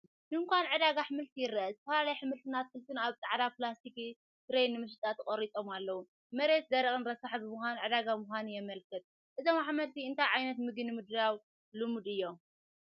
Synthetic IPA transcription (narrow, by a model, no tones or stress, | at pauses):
d̪ɨŋkʷanʕɨd̪aɡaħɨmɨlt̪ʰijɪrːɐzt̪ɐfɐlalajħɨmɨlt̪ʰɨnat̪̚kɨlt̪ʰɨnaβt̪ʼaʕd̪aplast̪ik | t̪ɨɾɐjnɨmɨʃ̬ɨt̪ʼat̪ʰɨχʼɐɾit̪ʼo̞malːɐwu | mɐɾe̞t̪̚d̪ɐɾikʼɨnɾɐsaħbɨmɨxʷanʕɨd̪aɡamuxʷanujɛmɐlkʰɐt̪ʼ | ʔɨzomaħmɐlt̪ʰiɨnt̪ʰajʕajnɐt̪mɨɡɨnɨmɨd̪aw | lɨmud̪ɨjːo̞